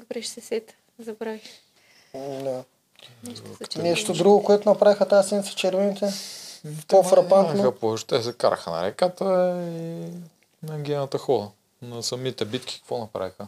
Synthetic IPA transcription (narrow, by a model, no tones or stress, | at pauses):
d̪obɾɛʃt̪ɛsɛt̪ | zɐbɾavix | d̪a | nɛʃt̪od̪ɾuɡokoɛt̪onɐpɾavixət̪asɛnt̪sɐ̥t͡ʃɛɾvɛnit̪ɛ | p̪ofɾɐpanoxɐpoʒt̪ɛsɛka̰ɾɐ̰xənɐ̰ɾɛ̰kat̪əi | nɐɡʲɛnɐt̪ɐxɔlˠɐ | nɐsɐmit̪ɛbit̪kʲi̥kɐ̥kvɔnɐpɾa̰vixə